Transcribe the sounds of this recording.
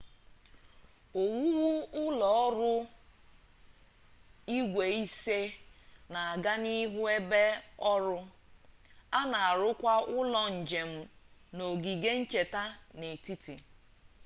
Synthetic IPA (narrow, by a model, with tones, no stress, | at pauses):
o˨wu˦wu˦ʊ˦lɔ˨ɔ˦ɾʊ˦ | i˦ɡʷe˨i˦se˦na˨a˨ɡa˦ni˦ɦu˦e˦be˦ɔ˦ɾʊ˦ | a˦na˨a˨ɾʊ˦kʷa˦ʊ˦lɔ˦n̩˨d͡ʒe˨m̩˦no˨ɡi˨ɡe˦n̩˦t͡ʃe˨ta˦ne˨ti˦ti˨